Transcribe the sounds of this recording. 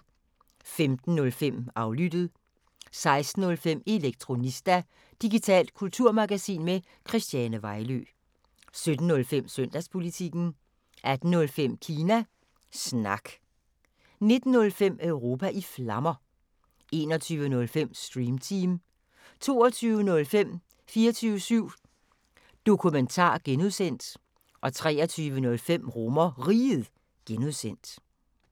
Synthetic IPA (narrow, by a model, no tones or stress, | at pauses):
femd̥n̩ːɔ̽lfem̰ɑ̈ʊlyd̥ð̩ˠ | sɑ̈ɪsd̥n̩ɔ̽lfem̰e̝leɡ̥̚t͡sʰʁo̝nisd̥æ | d̥iɡ̥it͡sʰɛ̰ːld̥̚kʰult͡sʰuɐ̰mɑ̈ɡ̥æsḭːnme | kʰʁisd̥jɛːnəʋɑ̈ɪlø̰ | sød̥n̩ːɔ̽lfem̰søn̰d̥æspʰo̝lit͡sʰiɡ̥n̩ | ʔæd̥n̩nɔ̽lfem̰kʰiːnæ | snɑ̈ɡ̥ | ne̝d̥n̩ːɔ̽lfem̰œʊʁo̝ːpʰæʔiflɑ̈mɐ | e̝̰ːnɒt͡sʰyːʋənɔ̽lfem̰sd̥ʁiːmt͡sʰiːm | t͡sʰo̝ːɒt͡sʰyːʊənɔ̽lfem̰ | fiːɐt͡sʰyːəsyʊ̰ | d̥o̝kʰument͡sʰɑ̰̈ːɡ̥enuðˠsen̰d̥ | ʔɒ̽t͡sʰʁɛ̰ːɐt͡sʰyːʋənɔ̽lfem̰ʁɔmɐʁiːð̩ˠ | ɡ̥enuðˠsen̰d̥